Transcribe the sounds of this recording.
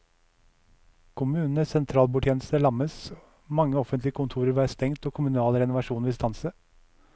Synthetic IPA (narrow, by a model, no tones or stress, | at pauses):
kʰʊmʉːnn̩əsɛnt̪ʰɾɑːlbuːʈʰjeːnəst̪əlɑməs | mɑŋːəɔfənt̪lɪəkʊnt̪ʰuːɾəɾʋæːst̪ɛŋt̪oːkʰʊmʉnɑːlɾɛnʊʋɑʂuːnʋɪst̪ɑnsə